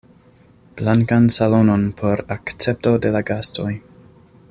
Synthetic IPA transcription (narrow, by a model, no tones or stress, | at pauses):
b̥laŋkansalo̞no̞npʰo̞ɾakt͡se̞p̚to̞de̞laɡasto̞j